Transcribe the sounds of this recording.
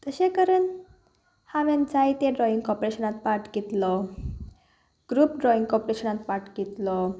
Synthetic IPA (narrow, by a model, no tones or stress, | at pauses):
t̪əɕekəɾən | haʋend͡zajt̪eɖɾɔĩŋɡkɔpɾeɕənat̪paɾʈkit̪lɔ | ɡ̥ɾuːpɖɾɔĩŋɡkɔpoɾeɕənat̪paɾʈkit̪lɔ